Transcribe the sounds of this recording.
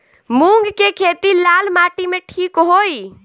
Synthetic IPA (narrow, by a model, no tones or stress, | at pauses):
mũŋɡkekʰet̪ilalmaʈimeʈʰikɦoi